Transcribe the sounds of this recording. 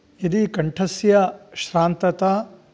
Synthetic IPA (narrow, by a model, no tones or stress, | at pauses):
id̪ikɐɳʈʰɐsjɐʃɾaːnt̪ɐt̪ɐ